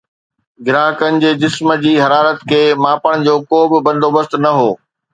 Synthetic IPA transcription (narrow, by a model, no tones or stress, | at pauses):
ɡɪɾaːɦəkənɪ̆d͡ʑeːd͡ʑɪsmə̆d͡ʑiːɦɐɾaːɾət̪kʰeːmãːpəɽ̃d͡ʑoːkoːbɪbɐ̃nd̪ʱoːbəst̪nɐɦoː